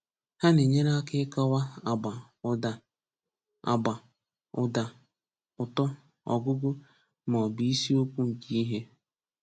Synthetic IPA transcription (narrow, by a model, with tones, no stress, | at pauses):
ha˦ne˨ɲe˦na˦kɪ˦ka˦wa˦a˨ɡ͡ba˨ | ʊ˨˦da˨ | a̰˨ɡ͡ba˨ | ʊ˨da˨ | ʊ˨tɔ˦ | ɔ̰˨ɡʊ˦ɡʊ˦ | m˨ɔ˨bi˨i˦si˦o˦kʷu˦ŋ̩˨ki˦i˦ɦe˦